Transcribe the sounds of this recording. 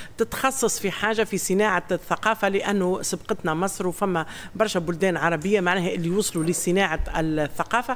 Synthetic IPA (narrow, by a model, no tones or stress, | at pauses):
t̪ɪt̪xɑsˤːɑsˤfiħaːʒafisɪnaːʕaθːɑqɑːfalɪʔænːʊsˤɑbqɑt̪næmɑsˤɾwfæmːæ | bɑɾˤʃæbʊld̪ɛːnʕɑɾˤɑbɪjːamaʕnæːhæʔɪlːiwʊsˤlulɪsɪnaːʕaɪlθːaqɑːfa